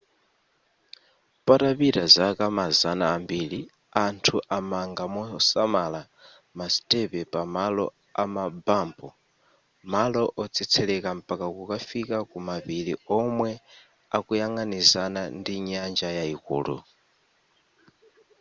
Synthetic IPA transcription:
paɾapiɾazakamazanaːmbiɺi | antʰuʔamaŋɡamɔsamala | masi̥tʼɛpɛpamalɔ̰ | amabaːmbɔ | malɔʔɔt͡sʰɛt͡sʰɛlɛkampʼakakukafikakumaβiɺiɔmwɛ | akujaŋanizanandiɲand͡ʒajaikṵːlṵ

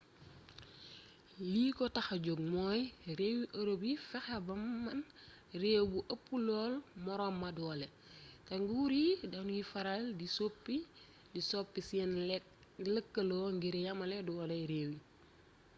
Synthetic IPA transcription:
liːkɔtɐxɐɟoɡ̚mɔːjrewiʔɐɾobifɛxɐbɐmːɐn | reːwbuʔɐpːulɔːlmɔɾɔmːɐdɔlɛ | tɐŋɡuuɾidɐnujifɐɾaldisopːi | disɔpːisin | ləkːəlɔːŋɡiɾijɐmɐlɛdɔɔlɛɾeːwi

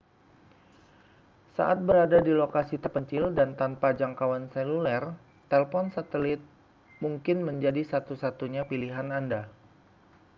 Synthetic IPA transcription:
sa̰ʔat̪̚bəɾadadilokasit̪ərpəɲt͡ʃɪldant̪anpad͡ʒaŋkawansɛlulɛr | t̪ɛlfɔnsat̪əlɪt̪̚ | muŋkɪnməɲd͡ʒadisat̪usat̪uɲapiliɦananda

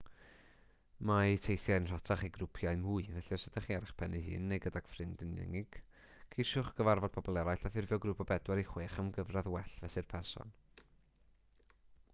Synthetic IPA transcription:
maitʰejθjaɨnr̥atʰaχiɡrʊpʰjaɨmʊɨvɛɬɛrsədaχiaɾɪχpʰɛnihɨ̰ːnːejɡədaɡ̥frɪndɪnɪ̰ŋɪɡ̥ | kʰejʃʊχɡ̥əvarvɔd̥̚pʰɔbɔlˠɛɾajɬafɪrvjɔɡɾupʰɔbɛdwɛɾiχweːχamɡəvraðwɛɬvɛsɨrpʰɛrsɔ̰n

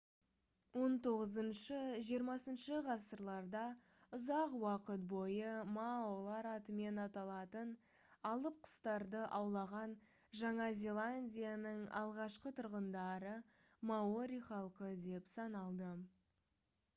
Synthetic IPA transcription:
wo̞nt̪ʰo̞ʁəzənʃəʒijəɾmɑsənʃəʁɑsəɾlˠɑɾd̪ɑ | ʊzɑqwɑqət̪̚bo̞jəmaolˠɑɾɑt̪əme̞nɑt̪ɑlˠɑt̪ən | ɑlˠəp̚qʰə̥st̪ɑɾd̪əʔɑwlˠɑʁɑn | ʒɑɴɑzʲe̞lˠanʲdʲijanəɴɑ̰lˠʁɑʃqət̪ʰʊɾʁənd̪ɑɾə | maoɾʲijχɑlˠqəd̪e̞psɑnɑlˠd̪ə

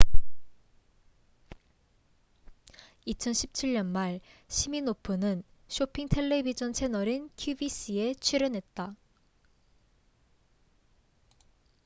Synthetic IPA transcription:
it͡ɕʰʌnɕʰi̥p̚t͡ɕʰiɭːʌnmaɭɕʰiminopʰɯnɯnɕʰopʰiŋtʰe̞ɭːe̞bid͡ʑʌnt͡ɕʰe̞nʌɾinkʰjubiɕ͈ie̞t͡ɕʰiɾʌnɦe̞t̚t͈a

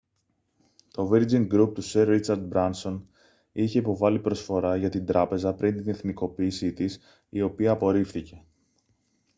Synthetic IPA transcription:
t̪o̞viɾd͡ziŋɡɾup̚t̪useɾːit͡sɐɾd̪̚bɾɐnso̞n | içe̞ipo̞vɐlipɾo̞sfo̞ɾɐʝɐt̪ind̪ɾɐpe̞zɐpɾint̪ine̞θniko̞piːsit̪is | io̞piɐːpo̞ɾifθice̞

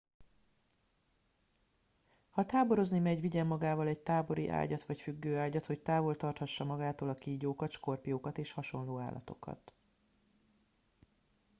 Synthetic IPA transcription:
hɒt̪aːbo̞ɾo̞znimɛɟʋiɟɛmːɒɡaːvɒlɛɟt̪aːbo̞ɾḭʔa̰ːɟɒt̪ʋɒcfyɡːøːaːɟɒt̪ho̞ct̪aːvo̞lt̪ɒrt̪hɒʃːɒmɒɡaːt̪oːlɒkiːɟoːkɒt̪ʃko̞rpijoːkɒt̪eːʃhɒʃo̞nloːa̰ːlːʔɒ̰t̪o̞̰kɒ̰t̪

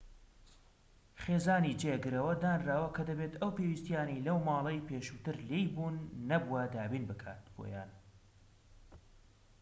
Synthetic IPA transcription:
χeːzaːnid͡ʒeɡɨɾɐwɐd̪aːnraːwɐkʰɐd̪ɐbeːt̪ʰɐwpeːwist̪jaːnɐjlɐwmɑːlˠɐjpʰeʃut̪ɨɾlejbuːnːɐbuwɐd̪aːbiːnbɨkʰa̰ːt̪̚b̥o̰ja̰ːn

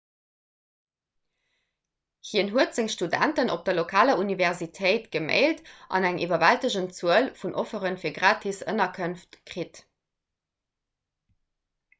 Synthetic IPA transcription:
hiənɦuətz̥eŋʃtudæ̰ntəno̰p̚d̥ɐlokʰaːlɐunivɛʁzitʰeɪtɡ̥əmḛɪltʔɑ̰næŋʔḭvɐvæltəʑənt͡suəlfunʔofəʁənfiːɐɡʁaːtʰisə̰nɐkʰənftkʁit

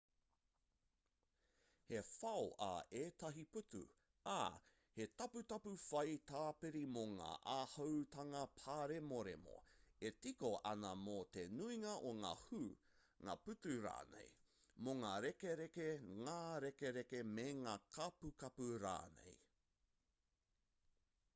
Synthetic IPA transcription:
he̞fɐoʔa̰eːtɐɦiputṵ | a̰ | he̞tɐputɐpufɐjt̪aːpeɾimoŋa̰ːʔahɐwt̪ɐŋɐpʰaːɾemoɾḛmo̰etikoʔɐnɐmot̪enuiŋɐʔoŋa̰ːhu | ŋa̰ːpʉtuɾa̰ːnḛj | moŋaːɾekeɾekeŋaːɾekeɾekemeŋaːkʰɐpukɐpuɾa̰ːnḛj

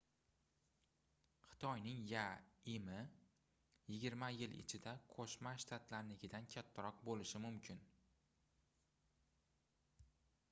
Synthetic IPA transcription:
χɨ̥t̪ʰɒjnɪŋjaɪmɪ | jɪɡʲɪɾmajɪlɪ̰t͡ʃʰɪd̪aqʰoʃmaʃt̪ʰat̪laɾnɪɡʲɪd̪ankʲʰat̪ʰːaɾɒqbolɪʃɪmʊmkʲʰɪn

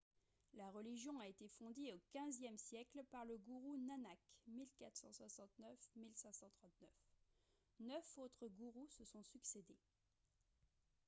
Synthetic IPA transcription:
laʁəliʒjɔ̃aet̪efɔ̃d̪iokʲɛ̃zjɛmsjɛklpaʁləɡuʁunanakmilkat̪χsɑ̰̃swasɑ̃t̪nœfmilsɛ̃sɑ̃t̪χɑ̃t̪nœf | nœfot̪χəɡuʁusəsɔ̃syksed̪e

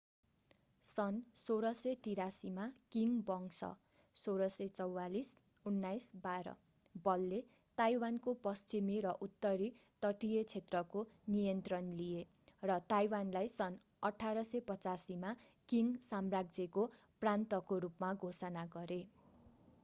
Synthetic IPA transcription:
sʌnsoɾʌsʌt̪iɾasimakiŋbʌŋsʌ̰ | soɾʌsʌt͡sʌwːalis | unːajsbaɾʌ̰ | bʌlːe | t̪ajwankopʌst͡simiɾʌʔut̪ːʌɾit̪ʌʈijet͡sʰet̪rʌkonijʌnt̪rʌnlije | rʌt̪ajwanlajsʌn | ʌʈʰaɾʌsʌpʌt͡sasimakiŋsamraɡ̚d͡zeko | prant̪ʌkoɾupmaɡʱosʌnaɡʌɾe

